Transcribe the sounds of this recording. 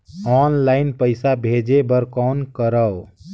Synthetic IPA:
ɔːnlaɪnpəɪsabʱed͡ʒebəɾkɔnkəɾəw

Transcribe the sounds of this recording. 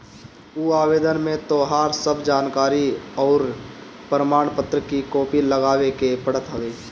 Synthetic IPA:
uːaːweːd̪ənmẽt̪oːɦaːɾsəbd͡ʒaːnkaːɾiɔːɾ | pɾəmaːɳpət̪ɾəkikoːpiləɡaːwekepəɽ̤ət̪ɦəʋeː

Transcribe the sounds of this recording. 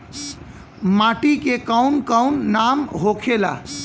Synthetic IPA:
maʈikekawnkawnːamɦokʰela̰

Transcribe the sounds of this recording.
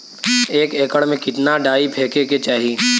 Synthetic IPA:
eːkeːkəɽmẽkɪt̪naɖaːipʰeːkeket͡ʃaːɦiː

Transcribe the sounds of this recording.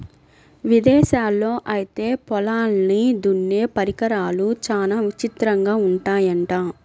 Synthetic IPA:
ʋid̪ɛːʃaːlːo̞ːʔɐjit̪e̞ːpɔlaːlnid̪uɳːe̞ːpɐɾikɐɾaːlut͡ʃaːlaːʋit͡ʃit̪ɾɐŋɡaːuɳʈaːjɐɳʈaː

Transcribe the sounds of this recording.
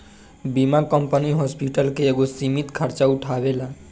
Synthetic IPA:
bimakəmpəniɦɔspiʈəlkeːɡosimit̪kʰəɾt͡ʃauʈʰabela

